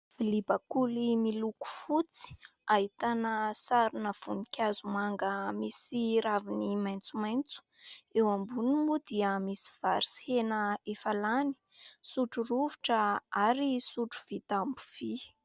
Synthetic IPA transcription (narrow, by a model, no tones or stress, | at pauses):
filibakulimiluku̥fut͡si̥ | aɦit̪anəsaɾunəv̥unikʲazumaŋɡəmisiɾavinimajnt͡sumajnt͡su̥ewambunimud̪iəmisi̥v̥aɾisi̥henəefalani̥ | suʈ͡ʂuruviʈ͡ʂəaɾisuʈ͡ʂu̥v̥it̪ambu̥v̥i